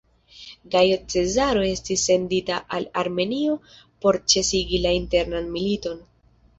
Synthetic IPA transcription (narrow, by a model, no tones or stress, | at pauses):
ɡajot͡se̞zaɾo̞e̞stisːe̞nditaʔalaɾme̞nio̞ | po̞ɾt͡ʃe̞siɡilainte̞ɾnanmilito̞n